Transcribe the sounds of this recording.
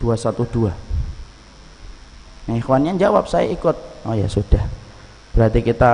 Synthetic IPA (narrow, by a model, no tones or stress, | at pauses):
d̥uasat̪ud̥ua | nixwanɲaɲd͡ʒawap̚saja̰ikʊt̪̚oja̰sud̥ah | b̥əɾat̪ikit̪a